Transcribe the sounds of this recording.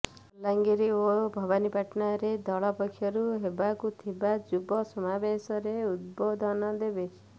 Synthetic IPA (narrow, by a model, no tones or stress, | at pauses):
laŋɡiɾiobʱɔbanipaʈnaɾed̪ɔɭɔpɔkʰːjɔɾuɦebakut̪ʰibad͡ʒubɔsɔmabesɔɾeud̪̚bod̪ʱɔnɔd̪ebe